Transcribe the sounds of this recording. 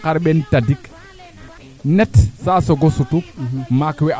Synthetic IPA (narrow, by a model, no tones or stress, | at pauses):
kaɾɓɛntadik | nɛtsasɔɡosutumakwɛ